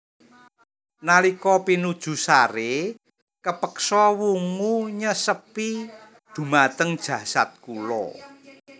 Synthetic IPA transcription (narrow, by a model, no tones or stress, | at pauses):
nalikɔpinud̥ʒ̥ṳsaɾe | kəpəksɔwuŋuɲəsəpi | d̪̥ṳmat̪əŋd̥ʒ̥ä̤sa̰t̪̚kulɔ̰